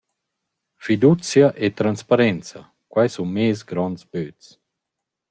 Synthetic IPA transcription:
fid̪ut͡sjaʔet̪ɾanspaɾɛnt͡sa̰ | kwajsunmeːsɡɾɔnsbøtt͡s

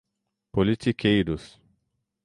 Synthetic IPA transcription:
polit̪ikʰejɾʊs

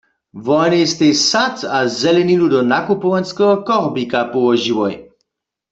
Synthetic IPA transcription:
vɔnest̪esat̪azɛlɛniludɔnakupɔwɛnskɛɦɔkɔʁbikapɔwɔʒiwɔj

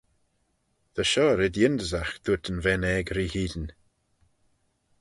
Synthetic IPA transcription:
ð̥əʃɔːɾɪd̪jɪnd̪əzaxd̪̥ut̪ənvɛnɛɡɾihiːd̪n

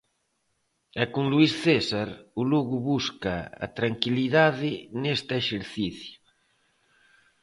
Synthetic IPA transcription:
ɛkuŋluisθesaɾuluɣuβuskaa̰t̪ɾaŋkiliðaðɪnest̪eʃeɾθiθju

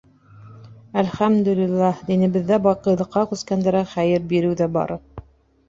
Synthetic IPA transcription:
ælχæmd̪ɵ̆lilːæhd̪inɘ̆βɘ̆ðːæbɑqɤ̆jlˠɤ̆qːɑkʉskænd̪æɾæχæjɘɾbiɾɘwðæbɑ̰ɾɤp̚

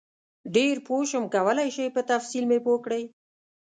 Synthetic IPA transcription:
ɖeɾpoʃəmkawəlajʃəjpət̪afsilmepokɽəj

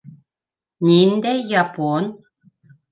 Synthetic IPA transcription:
nʲind̪ɛːapon

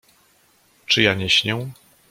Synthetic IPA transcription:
t͡ʂɘjaɲeɕɲɛ̃

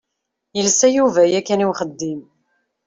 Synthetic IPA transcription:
jəlsæjuvæjækːæniwχəd̪ːim

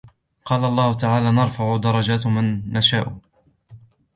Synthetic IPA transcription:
qɑːlaʔɑlˤːɑːhʊt̪aʕaːlaːnɑɾˤfaʕʊd̪ɑɾˤːɑd͡ʒaːt̪manːaʃaːʔʊ

